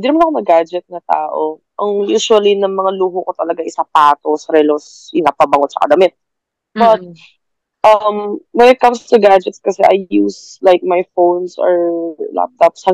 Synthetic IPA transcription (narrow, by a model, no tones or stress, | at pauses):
ɪnd̪inɐmanɐkonɐɡad͡ʒɛt̪̚nɐt̪a̰ːʔoʔɐŋjuːʃwɐlinɐŋmɐŋaluːɦokot̪ɐlɐɡaʔɪsapaːt̪osɐɾɛlos | ʔɪnapɐbɐŋot̪̚sɐ̰kɐ̰d̪ɐmɛt̪̚ | bɐt̪̚ | ʔɐmwɛnɛt̪̚kɐmst̪ʊɡad͡ʒɛt̪skɐsɛ̰ʔajːuːslajk̚majfownsɔ̰ɹla̰p̚t̪opshɐ